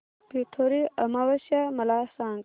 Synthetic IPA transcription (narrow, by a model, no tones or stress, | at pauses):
pit̪ʰoɾiɐmaʋɐsjamɐlaːsãːŋ